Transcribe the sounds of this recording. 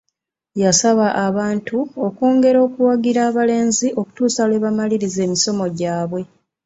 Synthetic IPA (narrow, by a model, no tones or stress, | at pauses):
jasaβaʔaβaːntʰuo̞koːŋɡe̞ɾo̞ːkuwaɡiɾaːβale̞ːnziʔo̞ku̥tuːsale̞ːβamaliɾize̞ːmiso̞mo̞ɟaːβwe̞